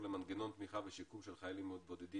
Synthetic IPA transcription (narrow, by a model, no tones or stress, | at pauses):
lemanɡeno̞nt̪miχaveʃikumʃelχajalimod̪̚bod̪ed̪i